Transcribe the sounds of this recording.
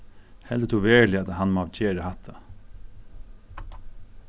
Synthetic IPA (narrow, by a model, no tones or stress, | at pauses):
hɛld̪ət̪ʰuʋeːɭɪɑt̪hɑnmoɑʋt͡ʃʰeːɾəhɑt̪ʰɑ